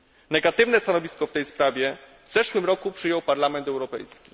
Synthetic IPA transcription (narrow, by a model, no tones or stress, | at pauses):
nɛɡat̪ɘvnɛst̪anɔvʲiskɔft̪ɛjspɾavʲjɛ | vzɛʂwɘmɾɔkupʂɘjɔwpaɾlamɛnt̪ɛwɾɔpɛ̰jskʲi